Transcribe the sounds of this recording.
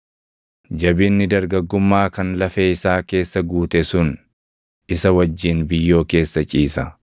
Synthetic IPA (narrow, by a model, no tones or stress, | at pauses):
d͡ʒɐbɪnːɪd̪ɐɾɡɐɡːʊmːaːkɐnlɐfeːɪsaːke̞ːsːɐɡuːt̪ɛsʊn | ɪsɐwɐd͡ʒːiːnbɪjːo̞ːke̞ːsːɐt͡ʃʼiːsɐ